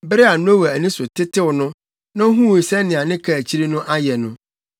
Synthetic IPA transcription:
bɪ˦ɾɪ˦a˨nʊ̃˦o˦wɛ˨æ˨nĩ˦sʊ˨tʰɪ˦tɪ˦wʊ˨nʊ̃˦ | nã˦ɦũ˦˨i˨sɛ˦nɪ̃˨a˨nɪ̃˦kʰa˦˨t͡ɕʰi˦ɾi˦nʊ̃˦ʔa˦jɛ˨nʊ̰̃˦

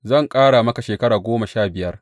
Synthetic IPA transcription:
zɐ˦˨ŋkʼaː˦ɽa˨mɐ˦ka˨ʃeː˨kɐ˦ɽaː˨ɡʷoː˦ma˨ʃaː˦˨bɪ˨jɐ˦r

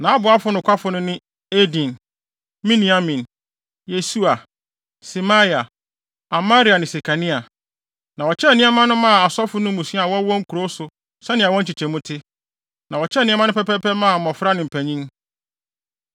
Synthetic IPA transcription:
nã˨a˦bʊ˨a˦fʊ˦nʊ̃˨kʰʷa˦fʊ˨nʊ̃˦nɪ̃˦ | e˦dĩ˨n | mĩ˦nĩ˨a˦mĩ˨n | je˨su˦a˨ | si˨ma˦ja˨ | a˨ma˦ɾi˨˦a˨nɪ̃˨se˨kʰa˨nĩ˦a˨ | nã˨wɔ˨t͡ɕʰɛ˦˨nĩ˦a˦mã˦nʊ̃˦mã˦˨a˨sɔ˦fʊ˦nʊ̃˦mũ˨si˦a˨wɔ˦wɔ̃˦ŋ̩˦kʰu˨ɾo˦sʊ˨ | sɛ˦nɪ̃˨a˨wɔ̃˦ɲ̩˦t͡ɕi˨t͡ɕʰɛ̃˨mʊ̃˦tʰɪ˦ | nã˨ɔ˨t͡ɕʰɛ˦˨nɪ̃ĩ˦mã˦nʊ̃˦pɛ˦pʰɛ˦pɛ˦mã˦˨mɔ̃˨fɾa˦nɪ̃˨m̩˨pʰæ˨ɲĩ˦ŋ

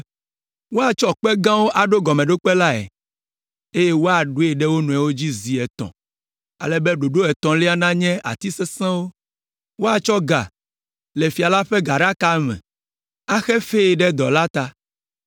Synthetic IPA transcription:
wo˦a˨t͡ʃɔ˦k͡pɛ˦ɡã˦wo˦ʔa˨ɖo˦ɡɔ˨mɛ̃˨ɖo˦k͡pɛ˦la˦ɛ̰˨ | e˦jɛ˦wo˦a˨ɖo˦ɛ˨ɖɛ˦wo˦nũ˨ɛ˨wo˦d͡ʑi˦zi˨ɛ˨t̪ɔ̰̃˨ | a̰˨lɛ˦bɛ˦ɖo˨ɖo˦ɛ˨t̪ɔ̃˨lɛ˦a˦nã˦ɲɛ̃˦a̰˨t̪i˦sɛ˦sɛ̃˦wo˦ | wo˦a˨t͡ʃɔ˦ɡa̰˨ | le˨fi˨a˨la˦ɸɛ˦ɡa˨ɖa˦ka˦mɛ̰̃˨ | a˦xɛ˦fe˦e˨ɖɛ˦d̪ɔ˨la˦t̪a˦

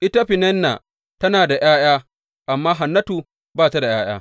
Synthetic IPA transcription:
ʔɪ˦ta˦ɸɪ˨nɛ˦nːa̰˨ | tɐ˦naː˨da˨j̰aː˦j̰aː˦ | ʔa˨mːaː˦ɦa˨nːɐ˦tuː˨ | baː˦˨ta˦da˨j̰a̰ː˦j̰a̰ː˦

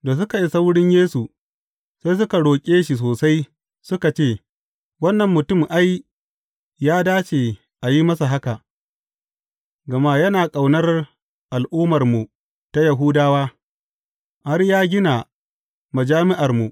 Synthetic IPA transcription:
daː˨s̬ʊ˦ka˨ji˦sa˦wɽɪ˦ɲjeː˦su˨ | sa˦js̬ʊ˦ka˨ɽoː˨kʲʼeː˦ʃi˨s̬oː˨sa˦j | sʊ˦ka˨t͡ʃeː˦˨ | wɐ˦nːɐ˨mːʊ˨tʊ˦mʔa˦j | jaː˦daː˦t͡ʃeː˨ | ʔa˨ji˦mɐ˦s̬a˨ɦa˦ka˨ʔ | ɡɐ˨ma˦jɐ˦naː˨kʼa˨wnɐ˦r | ʔa˨lʔuː˦mɐ˨rmu˨ | ta˦jɐ˨ɦu˦daː˦waː˦ | ha˦rjaː˦ɡʲɪ˦na˨ | ma˨d͡ʒaː˦mɪ˦ʔa˨rmu˨

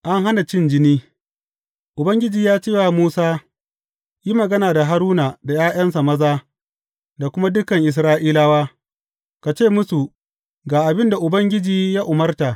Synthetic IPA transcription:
ʔa˦ŋɦa˦na˨t͡ʃɪ˦nd͡ʒɪ˦niː˦ | ʔʊ˨bɐ˦ŋɡʲɪ˦d͡ʒiː˨jaː˦t͡ʃeː˦waː˨muː˦saː˦ | ji˦mɐ˨ɡɐ˦naː˨da˨ɦa˦ɾuː˦na˨da˨jaː˦j̰ɐ˦nsa˨mɐ˦zaː˦ | da˨kʷʊ˦ma˦dʊ˦kɐ˨ŋʔɪ˨s̬ɾaː˦ʔiː˦laː˦waː˦ | ka˨t͡ʃeː˦˨mʊ˦su˨ | ɡaː˨ʔa˨bɪ˦nda˨ʔʊ˨bɐ˦ŋɡʲɪ˦d͡ʒiː˨ja˦ʔʊ˨mɐ˦rta˨

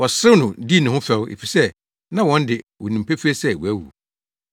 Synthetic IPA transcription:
wɔ˨sɾɪ˦nʊ̃˨di˦˨nʊ̃˨ɦʊ̃˦fɛ˨wḛ˨fi˨sɛ˦ | nã˦wɔ̃˨˦n̩˦dɪ˨wɔ˨nĩ˨m̩˨pʰæ˦fi˦e˦sɛ˦˨wu˨æ˦wṵ˨

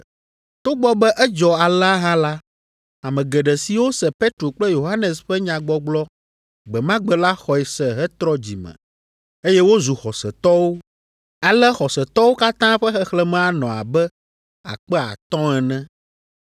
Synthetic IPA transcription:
t̪o˦ɡ͡bɔ˦bɛ˦ʔɛ˦d͡ʒɔ˨a˨la˦ɦã˦la˦ | a˨mɛ̃˨ɡɛ˨ɖɛ˨si˨wo˦sɛ˨pe˦t̪ɾo˨k͡plɛ˦jo˨ɦa˦nɛ˨sɸɛ˦ɲã˨ɡ͡bɔ˦ɡ͡blɔ˦ | ɡ͡bɛ˨mã˦ɡ͡bɛ˨la˦xɔ˨ɛ˨sɛ˨ɦɛ˦t̪ɾɔ˦d͡ʑḭ˨mɛ̰̃˨ | e˦jɛ˦wo˦zu˨xɔ˨sɛ˨t̪ɔ˦wo˦ | a˨lɛ˦xɔ˨sɛ˨t̪ɔ˦wo˦ka˦t̪ã˦ɸɛ˦xɛ˦xlɛ˨mɛ̃˨˦a˨nɔ̃˨a̰˨bɛ˦ | a̰˨k͡pɛ˦a̰˨t̪ɔ̃˦ɛ˨nɛ̃˦

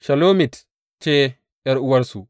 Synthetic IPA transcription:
ʃɐ˨loː˦mi˨t | t͡ʃe˦ | ɛ˦ɾʔu˦wɐ˦ɾsu˨

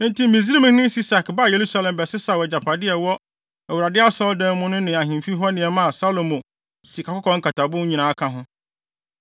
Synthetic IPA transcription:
n̩˦ti˦mĩ˨zi˦ɾi˦mɪ̃˦hɪ̃˦si˦sa˨kba˦˨je˨ɾu˦sa˦lɛ̃˨mbɛ˨sɪ˦sa˨wɔ˨d͡ʑa˨pʰa˨dɪ˦ɛ˨wɔ˦ | æ˨wu˨ɾa˨dɪ˦a˦sɔ˦ldɛ̃˦mʊ̃˦nʊ̃˦nɪ̃˨a˨ɦĩ˨fi˦ɦɔ˦nɪ̃˨ɛ˨mã˦a˨sa˦lo˨mõ˨ | si˨kʰa˨kʊ˦kʰɔ̃˦ŋ̩˦kʰa˨tʰa˨bʊ̃˦ɲĩ˨nã˨˦kʰã˦ɦʊ̃˦

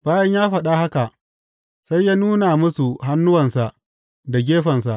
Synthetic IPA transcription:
b̥aː˦jɐ˦ɲjaː˦ɸɐ˨ɗa˦ha˦ka˨ʔ | sa˦jːaː˦nuː˦na˨mʊ˦su˨ɦa˦nːʊ˦wɐ˨nsa˨ʔ | da˨ɡʲeː˦ɸɐ˨nsa˨ʔ

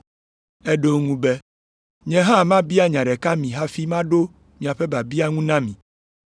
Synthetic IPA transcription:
ɛ˦ɖo˦ŋũ˦be˦ | ɲɛ̃˨ɦã˦˨mã˦bi˦a˦ɲã˨ɖɛ˨ka˦mĩ˨ɦa˦fi˦mã˦ɖo˦ | mĩ˨a˨ɸe˦ba˨bi˦a˦ŋũ˦nã˦mĩ˨

